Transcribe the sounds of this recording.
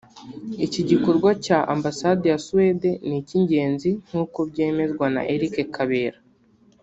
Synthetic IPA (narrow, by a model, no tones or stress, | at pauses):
iciɟiko̞ɾɡwacaʔa̰mbasadejasuwede̞niciɲɟe̞ːnzin̥huːko̞bɟe̞ːme̞zɡwana̰ʔeɾikekʰaβeːɾa